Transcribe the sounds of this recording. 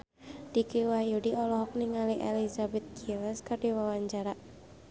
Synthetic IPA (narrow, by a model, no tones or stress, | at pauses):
d̥ikiwajudiɔlɔɦɔk̚niŋaliʔɛlizabɛt̪̚ɡilɛskardiwawaɲt͡ʃaɾa